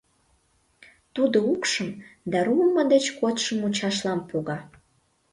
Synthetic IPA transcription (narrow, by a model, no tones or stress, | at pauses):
t̪ud̪oukʃəmd̪ɑɾuəmːəd̪et͡ɕkot̪ʃəmut͡ɕɑʃlɑmpʰoɣɑ